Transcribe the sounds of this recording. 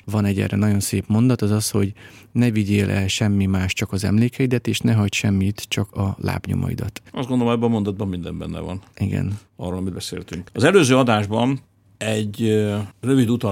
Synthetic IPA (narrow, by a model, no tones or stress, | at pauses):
vɒnɛɟɛ̰rɛnɒɟo̞nseːpmo̞nd̪ɒt̪ɒzɒsho̞ɟnɛviɟeːlʔɛ̰lʃɛmːimaːʃt͡ʃɒkɒzɛ̰mleːkʰɛid̪ɛt̪eːʃnɛɦɒcʃɛmːit̪t͡ʃɒkɒla̰ːbɲo̰mɒ̰ḭd̪ɒt̪ɒ̰zdɡond̪olomɛbɛmo̞nd̪ɒd̪̚bɒmmind̪ɛmbɛ̰nːɛ̰vɒ̰nʔiɡɛ̰nɒ̰roːlɒmid̪bɛseːlhɛt̪yŋkɒzɛløːzøːɒd̪aːʒbɒn | ɛɟ | røvid̪ut̪ɒ